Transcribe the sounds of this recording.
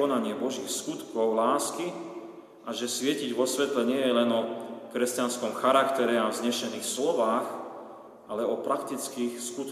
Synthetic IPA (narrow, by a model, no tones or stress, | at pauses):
ɔnaɲɪɛbɔʒiːxskut̪kɔʊlaːski | ʔaʒɛsʋɪɛciɟʋɔsʋɛt̪lɛɲɪɛjɛlɛnɔkɾɛscanskɔmxaɾakt̪ɛɾɛavzɲɛʃɛniːxslɔʋaːx | ʔalɛɔpɾʔakt̪it͡skiːxskut̪